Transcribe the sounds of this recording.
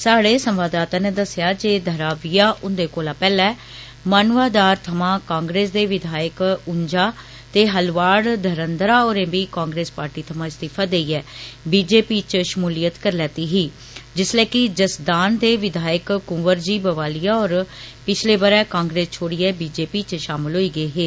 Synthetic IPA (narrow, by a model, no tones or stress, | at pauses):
saːɽeːsəmʋaːd̪aːt̪ãːneːd̪əsːɪjaːd͡ʒeːd̪ʱəɾaːʋiːaːʔʊnd̪eːkoːlaːpɛːlɛː | maːnʋaːd̪aːɾt̪ʰəmãːkãːŋɡɾeːsd̪eːʋɪd̪ʱaːəkʊɲd͡ʒaː | t̪eːɦəlʋaːɽd̪ʱəɾənd̪ɾaːoːɾẽːbiːkãːŋɡɾeːspaːɾʈiːt̪ʰəmãːɪst̪iːpʰaːd̪eːiːɛːbiːd͡ʒeːpiːt͡ʃʃəmuːlijət̪kəɾlɛːt̪iːɦiː | d͡ʒɪslɛːkɪd͡ʒəsd̪aːnd̪eːʋɪd̪ʱaːjəkkʊ̃ːʋəɾd͡ʒiːbəʋaːlijaːɔːɾpɪt͡ʃʰleːʋəɾɛ̃ːkãːŋɡɾeːst͡ʃʰoːɽiːɛːbiːd͡ʒeːpiːt͡ʃʃaːmɪlɦoːiːɡəiːɦeː